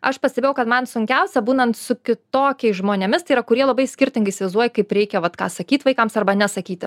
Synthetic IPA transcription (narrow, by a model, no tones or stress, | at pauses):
ɐʃpɐsʲt̪ʲebʲeːjɛʊkɐt̪mɐnsʊŋʲkʲɛʊsʲɛbuːnɐnt̪sʊkʲɪt̪oːkʲɛɪsʒmoːnʲemʲɪst̪ɐɪiɾɐkʊɾʲiɛlˠɐbɐɪsʲkʲɪɾʲt̪ʲɪŋɡɐɪiːsʲɪʋɐɪzd̪uɔjɪkɐɪpɾʲɛɪkʲɛʋɐt̪kɑ̰ːsɐkʲiːt̪ʋɐɪkɐmsɐrbɐnʲɛsɐkʲiːt̪ʲ